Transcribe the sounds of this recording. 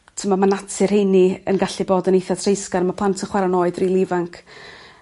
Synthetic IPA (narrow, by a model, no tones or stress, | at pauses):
tʰəmamanatʰɨrhejniə̰nɡaɬɨboːdənejθatʰrejskaɾmapʰl̥ˠantʰənχwɛɾanoːɨdrilˠivaŋkʰ